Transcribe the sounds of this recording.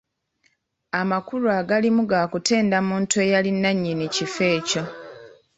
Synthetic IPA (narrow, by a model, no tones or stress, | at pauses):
amakuɾuaɡalimuɡaːkute̞ːndamuːntuejalinːaɲːinicife̞ːco̞